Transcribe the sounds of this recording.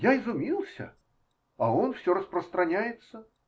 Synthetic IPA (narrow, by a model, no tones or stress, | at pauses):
jaɪzʊmʲilˠsʲə̰ | ɐonfsʲoɾəsprəst̪ɾɐnʲæjɪt̪sə